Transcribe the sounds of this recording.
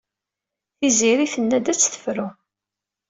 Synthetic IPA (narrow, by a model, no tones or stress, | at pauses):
θiziɾiθənːæd̪æt͡sːθə̥fɾu